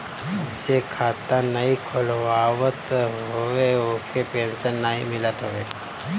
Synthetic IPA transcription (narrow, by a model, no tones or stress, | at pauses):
d͡ʒekʰaːt̪anəikʰolʋaːʋət̪ɦoʋeokepẽnsənːaimɪlət̪ɦoʋeː